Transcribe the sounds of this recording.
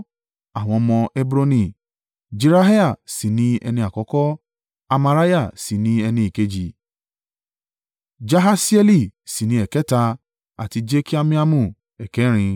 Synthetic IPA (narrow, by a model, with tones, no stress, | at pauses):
a˨w̃ɔ̃˧mɔ̃˧e˧bu˦ɾo˧nĩ˨ | d͡ʒe˧ɾa˦ɦe˦a˦˨si˨nĩ˨˦ɛ˧nĩ˧a˨kɔ˨˦kɔ˦ | a˧ma˧ɾa˦ja˦˨si˨nĩ˦ɛ˧nĩ˧i˨ke˨˦d͡ʒi˨ | d͡ʒa˧ɦa˧si˦ɛ˦li˦˨si˨nĩ˧˦ɛ˨kɛ˨˦ta˧ | a̰˨ti˧d͡ʒe˦ki˦a˧mĩ˦a˦˧mũ˨ | ɛ˨kɛ˨˦ɾ̃ĩ˧